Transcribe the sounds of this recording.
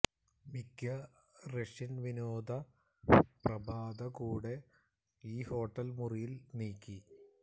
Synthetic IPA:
mikːɐ | reʂinʋinoːd̪ʱɐ | prɐbʱaːd̪ɐkuːɽe̞ | iːho̞ːʈːɐlmurijilniːkʲːi

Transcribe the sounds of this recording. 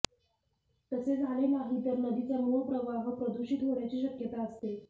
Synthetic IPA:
t̪əsed͡zʱaɭenaɦit̪əɾnəd̪it͡samopɾəʋaɦəpɾəd̪uɕit̪ɦoɽjat͡ɕiːɕəkjət̪aəst̪e

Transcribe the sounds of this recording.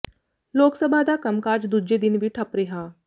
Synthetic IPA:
loːksəbʱad̪aːkɐmkaːd͡ʒd̪ud͡ʒed̪ɪnbiʈʰɐpɾeɦaː

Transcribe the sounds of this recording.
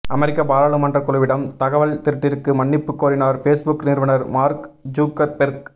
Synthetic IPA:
ɐmɐɾɪkːɐbaːɾaːɭɯmɐndrɐkːɔɭɯʋɪɽɐmt̪ɐɣɐʋɐɭt̪ɪɾɯʈːɪɾkːɯmɐɳːɪpːɯkːoːɾɪnaːɾfeːsbʊknɪɾʋɐnɐɾmaːɾkd͡ʒuːkːɐɾpɛɾk

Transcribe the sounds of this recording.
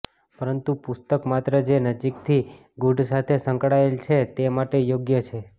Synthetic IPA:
pəɾənt̪upʊst̪əkmat̪ɾəd͡ʒenəd͡ʒik̚t̪ʰi | ɡuɖsat̪ʰesəŋkɽaelt͡ʃʰet̪emaʈejoɡjət͡ʃʰe

